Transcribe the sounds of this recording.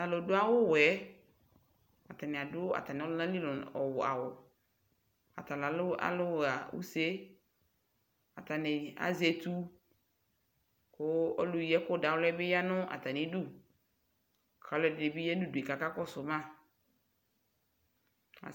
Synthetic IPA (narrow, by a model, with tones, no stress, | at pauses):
a˨lo˨dʊ˦a˦wʊ˦wɛ˦ | a̰˨ta˨nɪ̃˨a˨dʊ˦a̰˨ta˨nɪ˨ɔ˦lʊ˦ã˦li˦lʊ˨ɔ˨wʊ˨a̰˨wʊ˨ | a̰˨ta˨la˨˦la̰˦lʊ˦wa˨wṵ˦se˦ | a̰˨ta˨nɪ˨a̰˨ze˨tu˦ | kʊ˦ɔ̰˦lʊ˨ji˨˦ɛ˦kʊ˦˨da˨wlɛ˦bɪ˦ja˦nʊ̃˦ʔa̰˨ta˨nɪ˨˦du˦˨ | kʰa˨˦˨lɛ˨dɪ˨dɪ˨bi˦jɛ˦nu˦du˨e˨ka˨ka˦kɔ˦sʊ˨mã˦˨ | a̰˨